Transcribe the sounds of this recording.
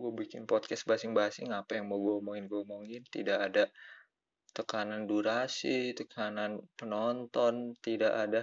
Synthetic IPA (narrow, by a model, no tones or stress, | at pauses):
ɡuabikɪnpɔt̪̚kɛsbasɪŋbasɪ̰ŋapajaŋmoɡuamoŋɪnɡɔmoŋɪnt̪idaʔːda | t̪əkananduɾasit̪əkʰananpənɔnt̪ɔnt̪idaʔada